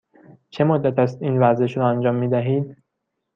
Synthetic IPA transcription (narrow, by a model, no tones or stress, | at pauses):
t͡ʃʰe̞mod̪ːæt̪ʰæst̪iːnvæɾze̞ʃɾɒːænd͡ʒɒːmːiːd̪æɦiːd̪